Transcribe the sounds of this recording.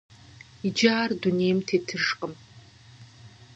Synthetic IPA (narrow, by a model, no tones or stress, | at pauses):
id͡ʒaːrdunejmtʰetʰɨʂqʼəm